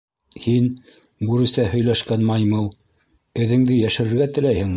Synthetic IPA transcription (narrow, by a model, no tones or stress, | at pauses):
hin | buɾɘ̆sæhɵ̆jlæʃkænmɑjmɤlˠ | ɘ̆ðɘ̆ŋd̪ɘjæʃɘ̆ɾɘ̆ɾɡæt̪ɘ̆læjhɘŋ